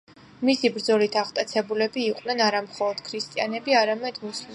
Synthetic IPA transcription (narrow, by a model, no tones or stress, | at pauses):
misibɾd̪zɔlit̪ʰaʁt̪ʼat̪sʰɛbulɛbiːqʼwnɛnaɾamχɔlˠɔd̪̥kʰɾist̪ʼianɛbiaɾamɛd̪̥musli